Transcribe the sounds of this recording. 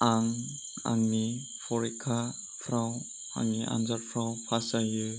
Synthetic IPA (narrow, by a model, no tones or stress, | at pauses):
aŋ | a̰ŋni | pʰɔɾikʰa | pʰɾaw | a̰ŋniʔa̰nzaɾpʰɾawpʰasajɯ